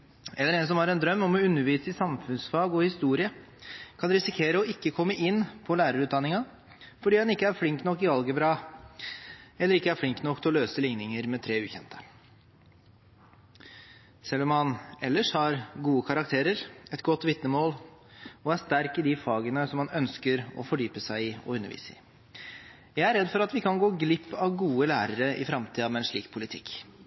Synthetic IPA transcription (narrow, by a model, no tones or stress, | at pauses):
ɛlːəɾɛnsɔmhɑɾɛnd̪ɾœmːɔmɔʉnːəɾʋiːsəɪsɑmfʉnsfɑːɡɔhɪst̪uːɾɪə | kʰɑnɾɪsɪkʰeːɾəɔɪkːəkʰɔmːəʔɪnːpʰɔlæːɾəɾʉːt̪d̪ɑnːɪŋɑ | fɔɖiːdɑnɪkːəæɾflɪŋk̪nɔkːɪʋɑlɡəbɾɑː | ɛlːəɾɪkːəæɾflɪŋkt̪nɔkːt̪ʰɔløːsəlɪŋnɪŋəɾmɛt̪ʰɾeːʉːçɛnt̪ə̥ | sɛlːɔmhɑnɛlːəʂhɑɾɡuːəkʰɑɾɑkt̪ʰeːɾəɾɛt̪ɡɔt̪ːʋɪt̪nəmoːlɔæɾʂt̪æɾkɪd̪ɪfɑːɡənəsɔmːɑnœnskəɾɔ̰fɔɖyːpəsæɪɪɔ̰ʉnːəɾʋḭːsəɪ̰ | jæɪæɾɛd̪fɔɾɑt̪ʋɪkʰɑnɡoːɡlɪpːɑʋɡuːəlæːɾəɾəʔɪ̰fɾɑmt̪ʰiːɑmɛɛnʂɭiːkpʰʊlɪt̪ʰɪkː